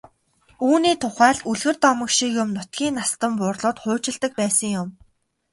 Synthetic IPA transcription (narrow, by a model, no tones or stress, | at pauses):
uːniːt̪ʰʊχæːɮuɮɣɘ̆rt̪ɔmə̆kʃikjʊmnʊt̪̚ɡʲiːnːast̪ə̆mpʊːrɮʊːt̪χʊːt͡ɕɪ̆ɮt̪ə̆k̚pæːsə̆ŋjʊm